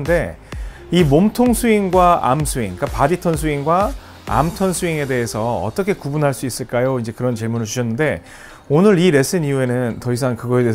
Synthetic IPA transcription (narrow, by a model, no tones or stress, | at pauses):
nde̞ | imomtʰoŋsʰuiŋɡwaa̰msʰuiŋk͈apaditʰʌns̬ʰuiŋɡwa | a̰mtʰʌnsʰuiŋe̞de̞ɦesʰʌʌ̰t͈ʌkʰe̞kubunɦaɭs͈uis͈ɯɭk͈ajoind͡ʑe̞kɯɾʌnt͡ɕiɭmunɯɭt͡ɕuɕʰʌnːɯnde̞ | onɯɾiɾe̞s͈ʰɯɲiue̞nɯntʌis̬ʰaŋkɯɡʌede